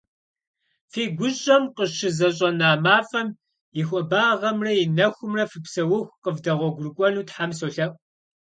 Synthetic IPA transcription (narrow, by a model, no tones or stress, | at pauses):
fiːɡʷʊɕʼɐmqəʃɪzɐɕ̬ʼɐnaːmaːfɐm | jɪxʷʼɔbaːʁɐmrɐjɪnɐxʷʊmrɐfɨpsɐwʊxʷqəvdɐʁʷɔɡʷʊrkʷʼɔnuːtħamsoɬɐʔʷ